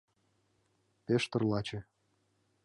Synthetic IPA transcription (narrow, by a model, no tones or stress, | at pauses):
peʃt̪ɤ̆rlɑt͡ɕĕ